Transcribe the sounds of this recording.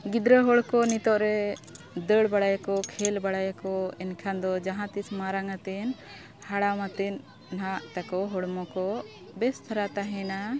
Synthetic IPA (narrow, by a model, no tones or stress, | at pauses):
ɡid̪ɾəɦɔɽkɔnit̪ɔʔɾɛ | d̪əɽbaɽajakɔkʰɛlbaɽajakɔɛnkʰand̪ɔd͡ʒaɦãt̪ismaɾaŋat̪ɛn | haɽamat̪ɛn | nɦaʔt̪akɔɦɔɽmɔkɔ | bɛst̪ʰaɾat̪aɦɛ̃na